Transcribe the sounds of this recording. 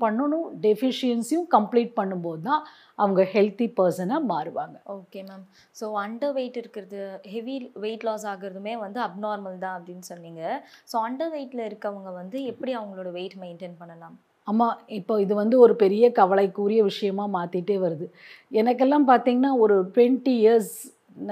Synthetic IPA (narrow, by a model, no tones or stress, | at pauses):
pɐɳːɯnʊ̃ɖɛfɪʂɪɛnsjʊ̃kɐmpliːʈ̚pɐɳːɯmpoːðɯt̪ãː | ʔɐʋɐŋɡɐhɛlt̪ipɐɾsɐnɐmaːɾɯʋaːŋɡɐoːkeːmaːm | soːɐɳɖɐʋeɪʈːɪɾɯkːɪɾɐðɯhɛʋiʋeːʈloːs̬aːɣɪɾɐðɯmeːʋɐnd̪ɯɐb̚naːɾmɐlt̪ãːɐpɐɽɪnːɯsɔnːiːŋɡɐsoːɐɳɖɐʋeːʈːɪlɐɪɾɯkːɯɐʋɐŋɡɐʋɐnd̪ɯɛpːɐɽiɐʋɐŋɡɐɭoːɽɐʋeːɪʈmeɪɳʈeːnpɐɳːɐlãːm | aːmːaːɪpːoːɪðɯʋɐnd̪ɯɔɾɯpɛɾɪjɐkɐʋɐɭɐɪkːuːɾɪjɐʋɪʂɐjɐmaːmaːt̪iʈːeːʋɐɾɯðɯ | ɛnɐkːɛlːãːpaːɾt̪iːŋɡɐnaːɔɾɯʈwɛɳʈiɪjɐɾs